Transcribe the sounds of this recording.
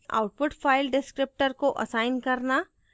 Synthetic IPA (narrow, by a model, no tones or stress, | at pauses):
a̰ʊʈ̚pʊʈfʰaːɪlɖɪskɾɪp̚ʈəɾkoʔɐ̰saːɪnkɐɾna